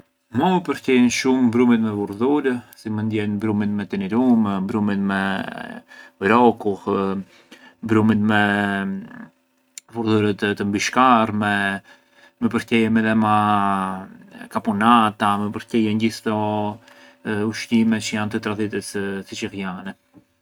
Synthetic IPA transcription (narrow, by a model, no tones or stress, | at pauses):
mɔməpəɾcɛjənʃumbɾumit̪mɛvuɾðuɾəsimənd̪jɛnbɾumit̪mɛt̪ɛnɛɾummbɾumit̪mɛ | ɾɔkuh | bɾumit̪mɛ | vuɾðuɾət̪t̪əmbiʃkarmɛ | mɛpəɾcɛjəmɛðɛma | kapunat̪amɛpəɾcɛjɛnɟist̪ɔ | uʃtimɛt͡ʃəjant̪ət̪ɾaðit̪əssit͡ʃiɾjanɛ